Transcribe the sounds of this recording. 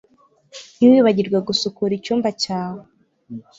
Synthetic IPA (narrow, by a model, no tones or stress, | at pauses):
niwiβaɟiɾɡweɡusukuɾicuːmbacaːwe